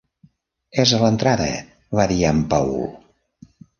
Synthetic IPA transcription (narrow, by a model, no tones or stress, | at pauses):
ɛzələnt̪ɾaðə̰ | βaðiampawl